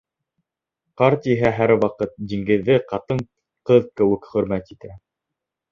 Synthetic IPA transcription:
qɑɾt̪iɦæɦæɾwɑqɤt̪̚d̪iŋɡɘ̆ðːɘqɑt̪ɤɴ | qɤðkɘ̆wɘkχɵ̆ɾmæt̪it̪æ

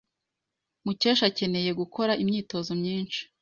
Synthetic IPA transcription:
muceːʃace̞ne̞je̞ɡuko̞ɾaʔimɲiːto̞zomɲiːnʃi̥

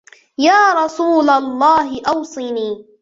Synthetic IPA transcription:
jaːɾˤɑsuːlalˤːɑːɦɪʔɑwsˤiniː

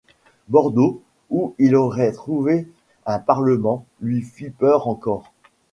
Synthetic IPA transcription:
bɔʁd̪o | uilɔʁɛt̪χuve | ɛ̃paʁləmɑ̃lɥifipœʁɑ̃kɔːʁ

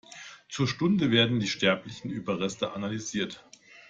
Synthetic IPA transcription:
t͡suːɐʃtʊndəveːɐdn̩diːʃtɛɐplɪçn̩ʔyːbɐʁɛstəʔanalyziːɐt

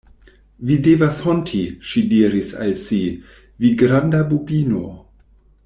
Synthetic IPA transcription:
videvashontʰiʃidiːɾisa̰lsi | viɡɾandabubino̰

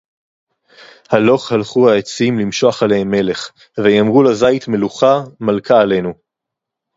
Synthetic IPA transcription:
halo̞χhalχuaet͡simlimʃo̞aχalehemːe̞le̞χ | vejamʁulazait̪me̞luχamalkʰaːle̞nu

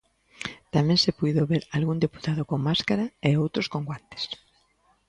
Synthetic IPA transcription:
t̪amɛ̃ŋsepujðoβeɾalɣund̪epu̥t̪aðokoŋmaskaɾaeowt̪ɾoskoŋɡwant̪e̥s

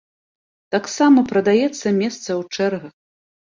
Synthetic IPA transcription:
t̪aksamɐpɾɐd̪ajɛt̪sːɐmʲɛst̪sɐwt͡ʂɛrɣɐx

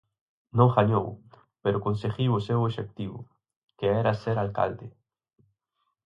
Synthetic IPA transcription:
nõŋxaɲo̰w | peɾokonseɣiosewoʃek̚t̪iβo̰ | keeɾaseɾalka̰ld̪e

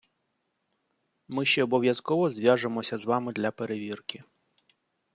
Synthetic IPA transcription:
mɪʃt͡ʃɛɔbɔʋʲjɐskɔʋɔzʲʋʲjaʒemɔsʲɐzʋɑmɪd̪lʲɐpeɾeʋʲirkɪ

